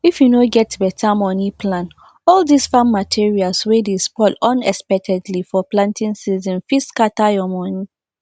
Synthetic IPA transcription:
ifjunoɡɛtbɛtʰamɔnipʰlãn | ɔldisfãmːatʰiɹialswedespɔlɔ̃nɛspɛk̚tʰɛdlifɔplãntĩnsizɔ̃nfiskatajɔmɔni

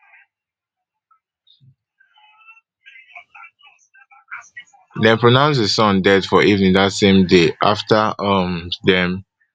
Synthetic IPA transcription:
dɛ̃npɹonãʊ̃ns̬desɔ̃ndɛdfɔʔivnĩnðatsẽmdeʔa̰ftaʌmdɛ̃m

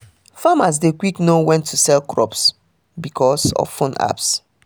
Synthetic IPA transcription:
famas̬dekwiknowɛ̃ntʰːusɛlkɹɔps | bikʰɔsɔ̰v̥fõna̰ps

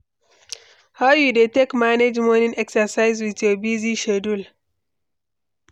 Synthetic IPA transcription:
haʊjudetekmaned͡ʒmɔnĩnɛksəsaɪzwitjobiziʃɛdul

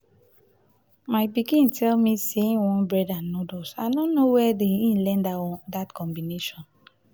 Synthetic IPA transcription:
maɪbikĩntʰɛlmiseĩnwɔ̃nbɹɛdãnːodosanõnːowɛdeĩnlɛ̃nddatkʰɔ̃mbineʃɔ̃n

